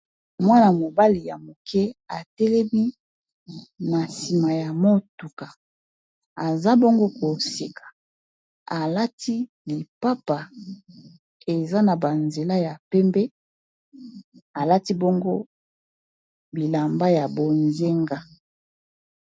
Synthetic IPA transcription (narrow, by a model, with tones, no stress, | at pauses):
mwa˦na˨mo˨ba˦li˨ja˨mo˨kʰɛ˦a˨tɛ˦lɛ˦mi˦ | na˨si˨ma˨ja˨mo˦tu˨ka˨ | a˨za˦bo˦ŋɡo˦ko˨si˨kʰḁ˨ | a˨la˦tʰi˦ | li˨pa˦pa˨ | e˨za˦na˨ba˨nze˨la˦ja˨pɛ˦mbɛ˦ | a˨la˦ti˦bo˦ŋɡo˦ | bi˨la˨mba˦ja˨bo˨nze˦ŋɡa˦